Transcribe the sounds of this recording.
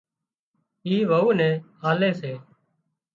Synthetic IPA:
iːʋəuːnɛ̃ːaːlẽːseː

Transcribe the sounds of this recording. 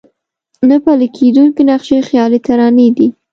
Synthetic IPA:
napalikʰed̪unkinaqʃexjɑlit̪aɾɑnid̪i

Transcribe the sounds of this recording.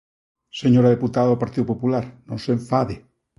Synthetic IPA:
seɲoɾaðeput̪aðaðopaɾt̪iðopopulaɾnõnseɱfaðe

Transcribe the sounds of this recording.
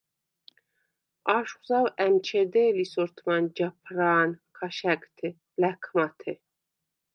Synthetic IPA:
aʃχuzawɛmt͡ʃʰɛd̪ɛːlisɔɾt̪ʰmand͡ʒapʰɾaːnkʰaʃɛkʼt̪ʰi | lɛkʰmat̪ʰɛ

